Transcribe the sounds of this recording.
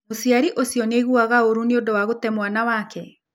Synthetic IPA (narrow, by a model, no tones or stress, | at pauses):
osiaɾiʔosiɔneɣuaɣaoɾuneondowaɣotɛmwanawakʰɛ